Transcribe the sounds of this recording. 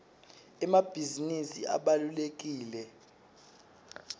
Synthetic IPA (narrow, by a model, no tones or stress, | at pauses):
ɛmab̥ʱizinisḭʔa̰ɓalulek̬ʼiːlɛ